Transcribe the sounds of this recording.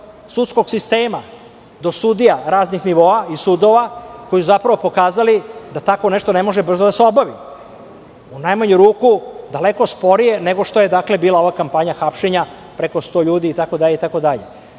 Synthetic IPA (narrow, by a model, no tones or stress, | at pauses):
sut̪sko̞ɡsist̪e̞ːma | d̪o̞sud̪ijaɾaːznixniʋo̞ːaisud̪o̞ʋako̞jsuzapɾaʋo̞po̞kaːzalid̪at̪ako̞neʂt̪o̞nemo̞ʒebr̩zod̪aseo̞baʋi | unajmaɲuɾuːkud̪aleko̞spo̞ɾije̞neɡo̞ʂt̪o̞je̞d̪akle̞biːlˠao̞ʋakampaɲaxapʃe̞ɲa | pɾeko̞st̪o̞ːʎuːd̪iːt̪ako̞d̪aʎeit̪ako̞d̪aʎe̞̰